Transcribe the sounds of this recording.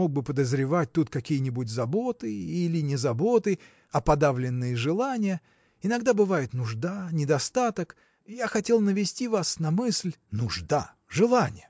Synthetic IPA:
o̞ɡ̚bɨpəd̪əzɾʲɪvat̚ʲt̪ut̪kɐkʲijənʲɪbʊtʲzɐbo̞t̪ɨilʲɪnʲɪzɐbo̞t̪ɨ | ɐpɐd̪avlʲɪnːɨjəʐɨlˠanʲɪjə | ɪnɐɡd̪abɨvajɪt̪nʊʐd̪anʲɪd̪ɐst̪at̪ək | jaxɐtʲe̞lˠnəvʲɪsʲtʲivasnɐmɨsʲlʲnʊʐd̪a̰ | ʐɨlˠanʲɪjə

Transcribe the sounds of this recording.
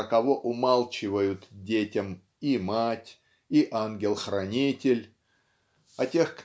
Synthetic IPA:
əkɐvo̞ʔʊmalˠt͡ɕɪvəjʊt̪dʲetʲəm | imatʲ | iʔanɡʲɪlˠxrɐnʲitʲɪlʲ | ɐtʲe̞xk

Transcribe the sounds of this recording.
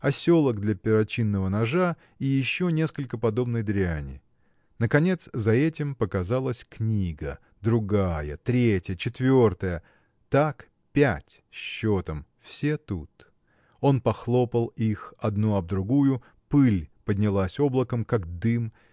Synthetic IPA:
ɐsʲo̞lˠəɡ̚d̪lʲɐpʲɪɾɐt͡ɕinːəvənɐʐa | ijɪɕːo̞nʲe̞skəlʲkəpɐd̪o̞bnəjd̪ɾʲɪanʲɪ̰ | nəkɐnʲe̞t̪szɐɛtʲɪmpəkɐzalˠəsʲknʲiɡə | d̪ɾʊɡajə̰t̪ɾʲetʲjət͡ɕɪt̪vʲo̞rt̪əjə | t̪ak | pʲætʲ | ɕːot̪əmfsʲet̪ut̪ | o̞npɐxlˠo̞pəlˠixɐd̪nuɐb̚d̪ɾʊɡujʊ | pɨlʲpədʲnʲɪlˠasʲo̞blˠəkəmkakd̪ɨm

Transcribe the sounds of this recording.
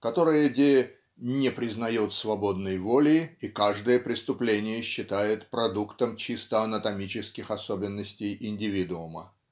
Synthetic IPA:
kɐt̪o̞ɾɨjədʲej | nʲɪpɾʲɪznɐjot̪svɐbo̞d̪nəjvo̞lʲɪikaʐd̪ɨjəpɾʲɪst̪ʊplʲenʲɪjəɕːɪt̪ajɪt̪pɾɐd̪ukt̪əmt͡ɕist̪əɐnət̪ɐmʲit͡ɕɪskʲɪxɐsobʲɪnːəsʲtʲɪjɪnʲdʲɪvʲid̪ʊʊmə

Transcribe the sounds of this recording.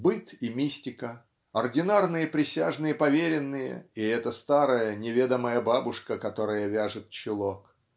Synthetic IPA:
bɨt̪imʲisʲtʲɪkə | ɐrdʲɪnarnɨjəpɾʲɪsʲaʐnɨjəpɐvʲeɾʲɪnːɨjə̰iɛt̪əst̪aɾəjənʲɪvʲed̪əməjəbabʊʂkəkɐt̪o̞ɾəjəvʲaʐɨt̪̚t͡ɕɪlˠok

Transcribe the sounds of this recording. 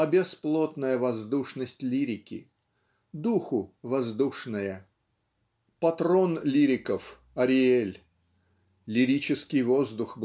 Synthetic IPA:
ɐbʲɪsplˠot̪nəjəvɐzd̪uʂnəsʲtʲlʲiɾʲɪkʲɪ̰ | d̪uxʊvɐzd̪uʂnəjə | pɐt̪ɾonlʲiɾʲɪkəf | ɐɾʲɪelʲ | lʲɪɾʲit͡ɕɪskʲɪjvozd̪ʊxb

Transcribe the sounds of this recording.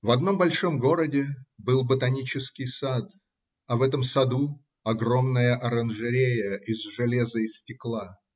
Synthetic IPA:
vɐd̪no̞mbɐlʲʂo̞mɡo̞ɾədʲɪbɨlˠbət̪ɐnʲit͡ɕɪskʲɪjsat̪ | ɐvɛt̪əmsɐd̪u | ɐɡro̞mnəjəʔɐɾənʐɨɾʲejəʔɪzʐɨlʲezɨɪsʲtʲɪklˠa

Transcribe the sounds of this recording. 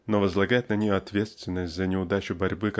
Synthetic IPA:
novəzlˠɐɡajɪt̪nɐnʲejoɐt̪vʲet̪st̪vʲɪnːəsʲtʲzənʲɪʊd̪at͡ɕʊbɐɾʲbɨk

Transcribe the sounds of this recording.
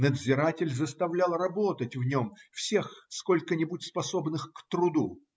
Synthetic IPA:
nəd̪zʲɪɾatʲɪlʲzəst̪ɐvlʲalˠrɐbo̞t̪ətʲvnʲomfsʲe̞xskolʲkənʲɪbutʲspɐso̞bnɨxkt̪ɾʊd̪u

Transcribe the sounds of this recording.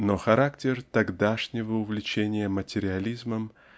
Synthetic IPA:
noxɐɾaktʲɪrt̪ɐɡd̪aʂnʲɪvəʊvlʲɪt͡ɕenʲɪjəmətʲɪɾʲɪɐlʲizməm

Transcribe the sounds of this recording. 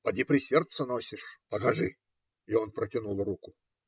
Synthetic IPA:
pɐdʲipɾʲɪsʲert̪sənosʲɪʂpəkɐʐɨ | ionpɾətʲɪnulˠrukʊ

